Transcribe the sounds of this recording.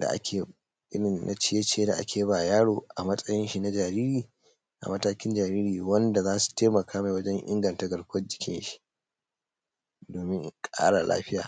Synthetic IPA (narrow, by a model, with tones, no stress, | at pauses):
da̰˨ʔa̰˦kʲʰeː˨ | ʔɪ˦ɽɪ˨nnʔa̰˨t͡ʃɪ˦je˦t͡ʃːe˦da˨ʔa̰˦kʲeː˨ji˦baː˨jaː˦ɽoː˨ʔa˨mɐ˦sʼɐ˦jɪ˦nʃi˨na˦d͡ʒaː˨ɾiː˦ɾiː˨ | ʔa̰˨mɐ˦taː˦kʲɪ˦nd͡ʒaː˨ɾiː˦ɾiː˨wɐ˦nda˨zaː˦su̥˨teː˦mɐ˨kʰaː˦ma˨wɐ˦d͡ʒɛ˦ŋʔɪ̰˦ŋɡɐ˨ntaː˦ɡɐ˨ɽkʷɐ˦d͡ʒɪ˨kʲʰɪ̰˦nʃi̥˦ | doː˨mɪ˦ŋkʼa̰ː˦ɽa˨lʔa̰ː˦ɸɪ˦ja̰ː˨